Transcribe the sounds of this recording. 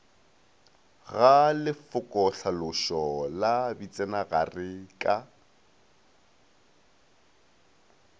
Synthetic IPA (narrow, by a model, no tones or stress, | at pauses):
ɣalɪfʊkʼɔɬʰalʊʃɔlabit͡sʼɛnaɣarɪkʼa